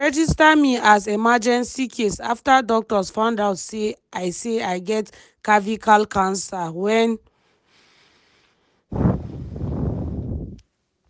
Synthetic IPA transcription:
ɹɛd͡ʒistamiazemad͡ʒɛ̃nsikʰesaftadɔk̚tɔsfãʊ̃ndaʊtseajseaɪɡɛt | kavikʰalkʰãnsawɛ̃n

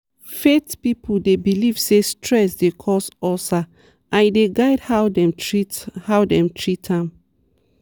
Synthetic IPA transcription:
fetpipʰudebiliv̥sestʰɹɛsdekʰɔsɔsa | ʔãnideɡaɪdhawdɛ̃mhawdɛ̃mtʰɹitʰãm

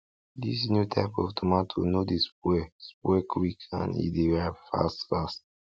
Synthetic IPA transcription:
disnjutʰaɪpɔ̰ftʰumãtʰo̰nodispwɛspwɛkʰwikʰã̰nḭdeɹaɪbfa̰stfast

